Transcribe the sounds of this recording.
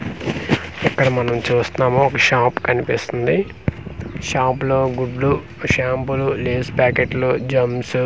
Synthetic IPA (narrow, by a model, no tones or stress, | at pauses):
ɛkːɐɽɐmɐnɐmt͡ʃuːst̪unaːmoɔkɐʃaːpkɐnipist̪und̪i | ʃaːploːɡuɖlu | ʃaːmpululeːspaːkeʈloːd͡ʒɐmsu